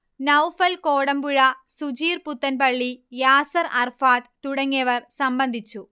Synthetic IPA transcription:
nɐwfɐlkoːɽɐmbuɻɐsud͡ʑiːrput̪ːɐnpɐɭːijaːsɐɾɐrfaːt̪t̪ːuɽɐŋːiɐʋɐrsɐmbɐnd̪ʱit͡ɕːu

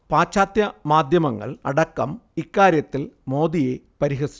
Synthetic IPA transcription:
paːt͡ɕaːt̪jɐmaːd̪ʱjɐmɐŋːɐ̰ɭɐ̰ɽɐkːɐ̰mikːaːɾjɐt̪ːilmo̞ːd̪ije | pɐɾiɦɐsi̥

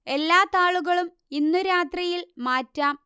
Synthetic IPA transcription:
e̞lːaːt̪ːaːɭuɣɐɭum | inːuɾaːt̪rijilmaːtːaːm

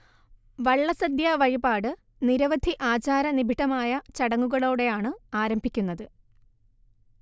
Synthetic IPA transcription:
ʋɐɭːɐsɐd̪jɐʋɐɻibaːɽɨ | niɾɐʋɐd̪ʱiʔaːt͡ɕaːɾɐnibʱiʈːɐmaːjɐt͡ɕɐɽɐŋːuɣɐɭo̞ːɽe̞jaːɳɨaːɾɐmbʱikʲːunːɐðɨ

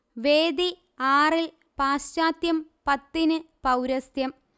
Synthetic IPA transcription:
ʋeːd̪i | aːril | paːsːaːt̪jɐmpɐt̪ːinɨpɐwɾɐsjɐm

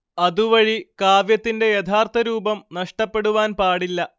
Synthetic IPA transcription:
ɐðuʋɐɻikaːʋjɐt̪ːinde̞jɐt̪ʰaːrt̪ʰɐɾuːbɐmnɐʂʈɐpːe̞ɽuʋaːnpaːɽilːɐ

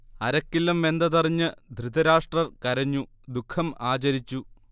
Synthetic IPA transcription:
ɐɾɐkːilːɐmʋe̞nd̪ɐðɐriɲːɨd̪ʱrid̪ɐɾaːʂʈrɐrkɐɾɐɲːu | d̪ukʰːɐmaːt͡ɕɐɾit͡ɕːu

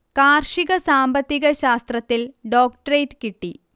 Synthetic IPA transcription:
kaːrʂiɣɐsaːmbɐt̪ːiɣɐɕaːst̪rɐt̪ːilɖoːk̚ʈɐrejʈkiʈːi

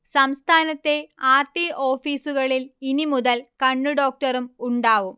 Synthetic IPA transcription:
sɐmst̪ʰaːnɐt̪ːe̞aːrʈiʔo̞ːfiːsuɣɐɭilinimuðɐlkɐɳːuɖo̞ːk̚ʈɐɾumuɳɖaːʋum

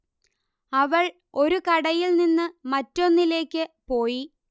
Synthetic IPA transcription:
ɐʋɐɭ | o̞ɾukɐɽɐjilninːɨmɐtːo̞nːile̞ːkʲːɨpo̞ːji

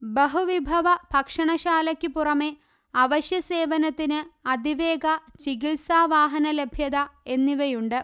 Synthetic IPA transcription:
bɐɦuʋibʱɐʋɐbʱɐkʂɐɳɐɕaːlɐkʲːɨpurɐme̞ | ɐʋɐɕjɐse̞ːʋɐnɐt̪ːinɨɐd̪ʱiʋe̞ːɡɐt͡ɕikilsaːʋaːɦɐnɐlebʱjɐðɐe̞nːiʋɐjuɳɖɨ

